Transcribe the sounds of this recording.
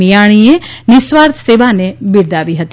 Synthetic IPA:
ijaɽ̃ienɪsʋaɾt̪ʰseʋanebiɾd̪aʋiɦət̪i

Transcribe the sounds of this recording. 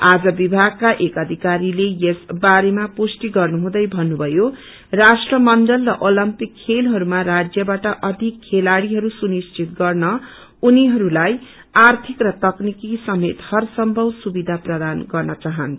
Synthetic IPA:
ad͡zʌbibʱaɡ̚kaʔekʌd̪ʱikaɾilejesbaɾemaposʈiɡʌrnuɦũd̪ʌjbʱʌnːubʱʌjo | rasʈrʌmʌnɖʌlrʌʔolʌmpikʰːelɦʌɾumarad͡zjʌbaʈʌʔʌd̪ʱikʰːelaɽiɦʌɾusunist͡sit̪ɡʌrnʌ | uniɦʌɾulaj | art̪ʰikrʌt̪ʌknikisʌmet̪hʌrsʌmbʱʌwsubid̪ʱaprʌd̪anɡʌrnʌt͡saɦʌnʰ

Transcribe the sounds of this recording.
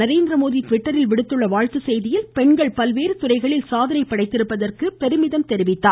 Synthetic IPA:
nɐɾeːnd̪ɾɐmoːðiʈʋɪʈːɐɾɪlʋɪɽɯt̪ːɯɭːɐʋaːɻt̪ɯsɛjðɪjɪlpɛɳɡɐɭpɐlʋeːɾɯt̪ʊrɐɪɣɐɭɪlsaːðɐnɐɪpːɐɽɐɪt̪ːɪɾɯpːɐðɐrkɯpɛɾɯmɪðɐmt̪ɛɾɪʋɪt̪ːaː

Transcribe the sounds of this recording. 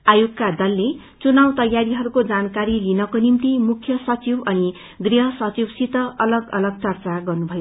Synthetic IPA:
ajoɡkad̪ʌlːe | t͡sunawt̪ʌjaɾiɦʌɾukod͡zankaɾilinʌkonimt̪imukʰjʌsʌt͡sibʌni | ɡriɦʌsʌt͡sibsit̪ʌʌlʌɡʌ̰lʌɡ̚t͡sʌrt͡saɡʌrnubʱʌjo

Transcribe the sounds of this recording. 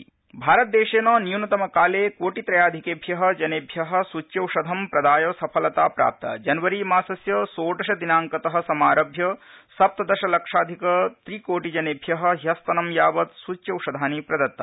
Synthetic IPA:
bʱaːɾɐt̪̚d̪eːʃeːnɐːnijunɐt̪ɐmɐkaːleːkoːʈit̪ɾɐjaːd̪ʱikeːbʱjɐɦɐ̆d͡ʒɐneːbʱjɐɦɐ̆sut͡ʃːjɐwʃɐd̪ʱɐmpɾɐd̪aːjɐsɐpʰɐlɐt̪aːpɾa̰ːp̚t̪ɐ̰d͡ʒɐnʋɐɾimaːsɐsjɐsoːʈɐʃɐd̪inaːŋkɐt̪ɐɦɐ̆sɐmaːɾɐbʱjɐsɐp̚t̪ɐd̪ɐʃɐlɐkʂaːd̪ʱikɐt̪ɾiːkoːʈid͡ʒɐneːbʱjɐɦɐ̆ɦjɐst̪ɐnɐmjaːʋɐt̪sut͡ʃːjɐwʃɐd̪ʱaːnipɾɐd̪ɐt̪ːɐ̰

